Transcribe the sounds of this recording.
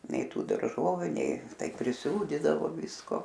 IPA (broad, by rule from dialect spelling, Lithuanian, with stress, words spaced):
ˈnʲɛɪ ˈtuː dɐrˈʒoːʋʲʊ ˈnʲɛɪ ˈtɐɪ pʲrʲɪˈsuːdʲɪdɐʋoː ˈʋʲɪskoː